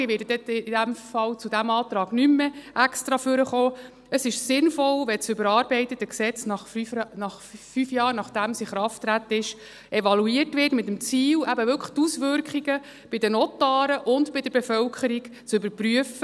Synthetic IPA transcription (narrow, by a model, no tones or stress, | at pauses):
ɪʋɪdəd̥ɛtid̥æmfɑlt͡sudæmɑːt̪ɾɑːɡnymːəʔækst̪ɾɑfʏɾəχoː | əsɪʃsɪnfɔlʋɛt͡sʏbəɾɑːɾbɛɪt̪ətəksɛt͡snɑχfynɑχfyfjɑːɾnɑχd̥æmsiχɾɑftːɾæt̪əɪʃ | evɑluiərtʋɪtmɪt̪əmt͡siːlʔæbəvʏlkʰə̥t̪usʋʏɾkχiɡə | b̥ɪd̥ənɔtɑːɾəʔʊntbɪdəɾbefœlkʰəɾiɡt͡sʏbəɾpryəfə